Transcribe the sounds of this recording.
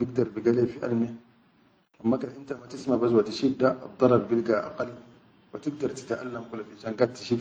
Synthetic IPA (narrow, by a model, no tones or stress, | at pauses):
biɡ̚d̪ɑɾˤbiɡalefiʔa̰lmi | ʔamːakanʔint̪amat̪ismabas̬wat̪iʃid̪ːa̰d̪ˤːɑɾˤɑbbilɡaʔa̰qɑlː | wat̪iɡ̚d̪ɑɾˤt̪i̥t̪ʔa̰lːamkulːafinʃanɡad̚t̪i̥ʃi